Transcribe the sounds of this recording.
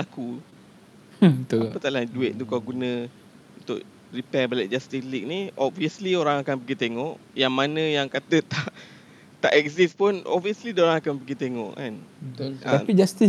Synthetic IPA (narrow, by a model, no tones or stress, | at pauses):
aku | ət̪apət̪aʔladueʔ̪̚t̪ukawɡunə̃ | unt̪ʊ̰ʔ | ripɛbalɛʔ̚d͡ʒast̪islik̚niɔb̚viəslioɾaŋakanpəɡit̪eŋɔʔ | jaŋmanə̃jaŋkat̪ət̪aʔ | t̪a̰ʔɛk̚sispʊnɔ̰bviəslidaoɾaŋakanpəɡit̪eŋɔ̰ʔkanbət̪ʊlaapid͡ʒast̪i